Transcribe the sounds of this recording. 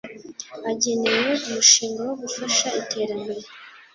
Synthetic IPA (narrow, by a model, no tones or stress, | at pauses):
aɟe̞nejeʔumuʃiːŋɡawoɡufaʃaitʰe̞ːɾambe̞ɾe